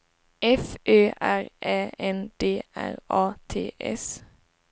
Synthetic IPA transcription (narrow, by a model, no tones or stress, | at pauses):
ɛfʔøːʔæʁʔeːɛnd̪̥eːʔæ̰ʁɑːt̪ʰḛːʔɛ̰s